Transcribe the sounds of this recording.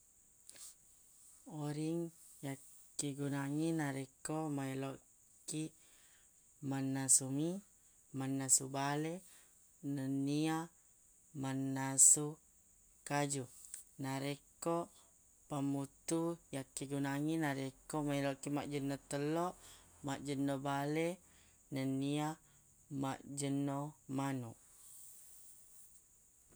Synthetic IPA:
oɾiŋ | jakː | iɡunaŋinaɾekomailoʔ | ki | manːasumi | manːasubale | nənia | manːasu | kad͡ʒunaɾekoʔ | pamut̪ujakːiɡunaŋinaɾekomailoʔkimaʔd͡ʒənːot̪əlɔʔ | maʔd͡ʒənːobale | nənia | maʔd͡ʒənomanṵʔ

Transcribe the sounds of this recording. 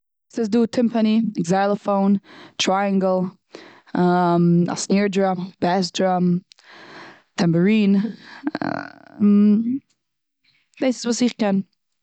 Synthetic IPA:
sɪsduːtʰɪmpʰəniɛɡzaɪlˠəfoʊntʰɹajaŋɡlˠ | ama̰sniɹdɹambɛsdɹam | tʰɛmpəɹiːn̰ | d̥eɪsɪ̥svuːsɪχkɛn

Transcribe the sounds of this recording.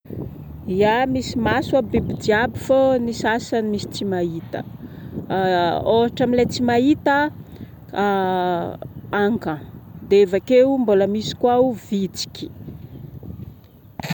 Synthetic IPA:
iamisimaswabibidiabifonisasanimisi̥t͡simait̪ə̰ | oɦaʈ͡ʂamilet͡simaɦit̪ə | aŋkad̪eevakeumboləmisi̥kwauvit͡si̥kʲi̥

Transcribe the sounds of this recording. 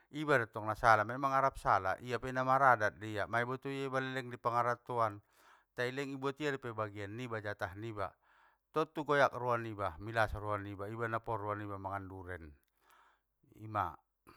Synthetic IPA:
ibadɔt̪ɔŋnasalamaimaŋaɾap̚sala̰ʔijapɛnamaɾadat̪̚dijamaibɔt̪uijaibalɛlɛŋdipaŋaɾat̪uan | t̪ailɛŋibɔt̪iaɾipɛbaɡianːibad͡ʒat̪aɦniba̰ | t̪ɔt̪uɡɔjak̚ruanibamilasaɾuanibaibanapɔruanibamaŋanduɾɛn | ḭma̰

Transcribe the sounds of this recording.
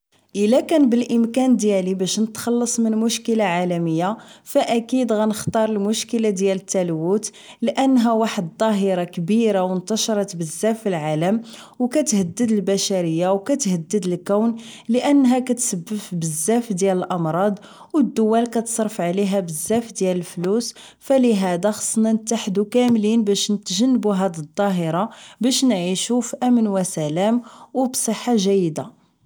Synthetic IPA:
ʔəlækænbəlʔəmkænd̪jælibæʃnət̪xɑlːɑsˤmənmʊʃkəlaʕalæməjːafæʔækid̪ɣænəxt̪ˤɑɾˤəlmʊʃkəlad̪jælət̪ːælwut̪ | ləʔənːɦæwaħəd̪̚t̪ˤɑɦəɾakbiɾawənt̪ɑʃɾˤɑt̪bəzːæfilʕaləm | wkæt̪həd̪ːəd̪əlbæʃæɾəjːawkæt̪həd̪ːəd̪əlkæwnləʔənːɦækæt̪səbːəfbəzːæfd̪jæləlʔɑmɾˤɑd̪ˤ | wəd̪ːʊwːælkæt̪sˤɑɾˤfʕliɦæbəzːæfd̪jæləlflus | fæliɦæd̪æxɑ̥sˤnænət̪aħd̪ukæmlinbæʃnət̪ʒənːəbuɦæd̪əd̪ˤːɑɦəɾˤɑbæʃnʕiʃufiʔæmənwæsælæmwbsˤəħːaʒæjːd̪a

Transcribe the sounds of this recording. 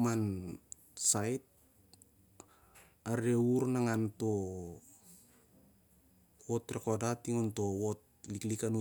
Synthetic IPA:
man | sajt̚ | aɾe̞uɾnaŋanto̞ | wotɾeko̞datiŋonto̞wot̚liklikanu

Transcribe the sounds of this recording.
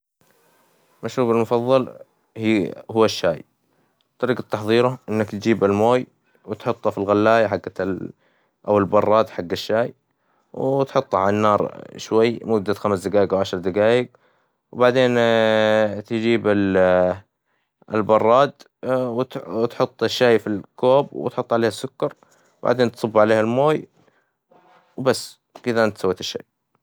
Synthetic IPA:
maʃɾuːbalmʊfɑðˤːɑl | hihʊːaʃːaːj | t̪ˤːɑɾiːqɑt̪ːɑħðˤiːɾaʔɪnːakt̪d͡ʒiːbalmoːj | wɪt̪ħʊt̪ˤːɑfilɣalːaːjaħaɡːa | ʔawɪlbɑrˤːɑːd̪ħaɡːaʃːaːj | wt̪ħʊt̪ˤːʕalanːɑːɾˤʃwajːmʊd̪ːaxamsd̪ɪɡaːjɪɡʔawʕaʃɾˤd̪aɡaːjɪɡ̚ | wbaʕd̪eːn | t̪d͡ʒiːbɪl | ɪlbɑrˤːɑːd̪ | wt̪t̪ħʊt̪ˤːɪʃːaːjfilkoːbwɪ̰t̪ħʊt̪ˤːʕaleːhasːʊkːɑɾˤ | ba̰ʕd̪eːnt̪sˤʊbːʕaleːhalmoːj | wbasː | kɪðaʔant̪sawːiːt̪ɪʃːa̰ːj

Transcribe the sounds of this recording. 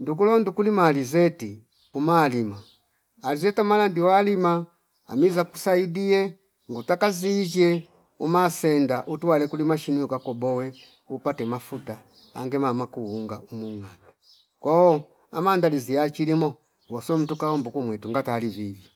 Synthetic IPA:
ndukulɔndukulimalizɛti | umalimaː | lizɛtamalandiwalima | a̰mizaku̥saidiɛ | ŋɡutakaziːd͡ʒɛ | umasɛndaʔutuwalɛkulimaʃiniukakɔbɔwɛ | upatɛmafuta | a̰ŋɡɛmamakuuŋɡaumuŋana | kɔɔ | amandalizijat͡ʃilimɔ | wɔsɔm̩tukawɔmbukumwɛtuŋɡatalivivjɔ

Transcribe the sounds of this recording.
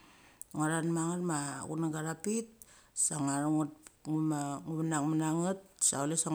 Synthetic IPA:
ŋaɾanmaŋarma̰ɣunaɡaɾapit̚saŋaɾŋuŋumaŋuβanaŋmanaŋat̚saulesa

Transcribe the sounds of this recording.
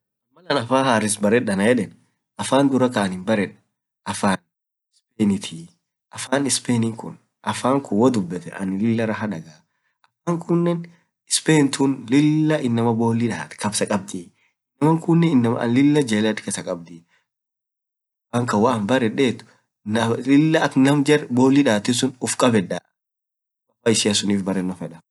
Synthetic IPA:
ɐmːɐlɐnɐfaːhaːɾɪsbɐɾɛᶑɐnɐjɛᶑɛn | ʔɐfaːnd̪ʊɾɐkaɐnhɪmbɐɾɛᶑɐ | ʔɐfaːn | ɪspeːnɪt̪ʰiː | ʔɐfaːnɪspeːnɪŋkʊ̰n | ʔɐfaːŋkʊwɔd̪ʊbːɛt̪ɛʔɐ̰nɪlɪlːɐɾɐɦɐᶑɐɡaː | ʔɐfaːŋkʊnːɛn | ɪspeːnt̪ʰʊnlɪlːɐʔɪnːɐmɐbo̞ːliᶑaːt̪kɐbsɐkʼɐb̚d̪iː | ɪnːɐmɐŋkʊnːɛɪnːɐmɐ̰ɐ̰nlɪlːɐd͡ʒeːlɐd̪kɛsɐkʼɐb̚d̪ɪ | ɐfaːŋkɐwaɐmbɐrɛᶑeːt̪ʊ̥ | nɐlɪlːɐɐk̪nɐmd͡ʒɛrboːlːiᶑaːt̪ɪs̬ʊnʊfkʼɐbɛᶑaː | wɐbaːɪsɪɐsʊniːfbɐrːɛnːɔfɛᶑɐ

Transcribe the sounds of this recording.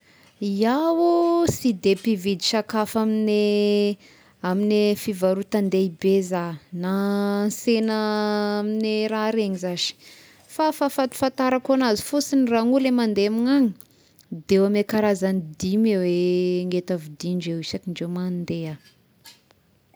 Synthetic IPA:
iawusid̪epivid̪iʃakafamine | aminefivaɾut̪and̪eibezanansenəamineɾaɾeɲizazi̥ | fafafat̪u̥fant̪aɾakanazi̥fusiniraŋulemand̪eamiŋaɲi | d̪eamekaɾazanid̪imeweŋɡet̪avid̪iɳd͡ʒewisakiɳɖ͡ʐemand̪ea

